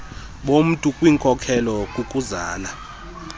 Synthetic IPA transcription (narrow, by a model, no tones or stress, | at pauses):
ɓom̩tʼukʼwiːŋkʼɔkʰɛlɔkʼukʼuzaːla